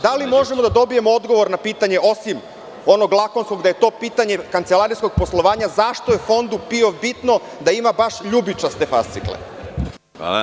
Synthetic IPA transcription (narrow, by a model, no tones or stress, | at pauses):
d̪alimo̞ʒemod̪ad̪o̞bije̞mood̪ɡo̞ʋo̞ɾnapiːt̪aɲe̞o̞sim | o̞no̞ɡlˠako̞nsko̞ɡd̪ajet̪o̞ːpiːt̪aɲe̞kant̪selˠaɾijsko̞ɡ̥̚poslˠoʋaːɲazaʃt̪ojefo̞nd̪upio̞vbit̪no̞ | d̪aimabaʃʎubit͡ʃast̪efa̰st̪sḭklḛ | a